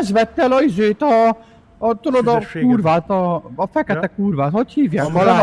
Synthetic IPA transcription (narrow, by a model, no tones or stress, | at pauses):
ʃʋɛt̪ːɛlɒizeːt̪ɒ | t̪olod̪ɒkuːrvaːt̪ɒːfɛkɛt̪ɛkuːrvaːt̪hochiːvjaːkʋlɔ